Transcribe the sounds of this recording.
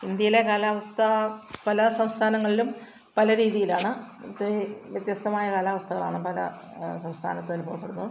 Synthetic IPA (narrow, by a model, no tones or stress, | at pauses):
ind̪jɐjile̞kaːlaːʋɐst̪ʰɐpɐlɐsɐmst̪ʰaːnɐŋːɐɭilum | pɐlɐɾiːðijilaːɳɨ | t̪ːeʋjɐt̪jɐst̪ʰɐmaːjɐkaːlaːʋɐst̪ʰɐɣɐɭa̰ːɳɨpɐlɐ̰sɐmst̪ʰa̰ːnɐt̪ːoɐlupoːʋɐpːe̞ɽunːɐðɨ